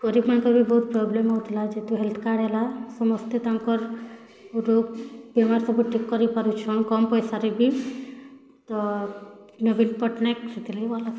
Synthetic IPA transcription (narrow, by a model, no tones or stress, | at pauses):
kɔɾibmankɔɾbibɔut̪̚pɾɔblemɔɦut̪ʰlad͡ʒet̪uɦelt̪ʰkaɽelasɔmɔst̪et̪aŋkɔɾ | uɾobemaɾsɔbuʈʰikːɔɾipaɾut͡ʃʰɔnkɔmpɔjsaɾibi | t̪ɔ | nobinpɔʈnek̚sit̪ʰileibɔla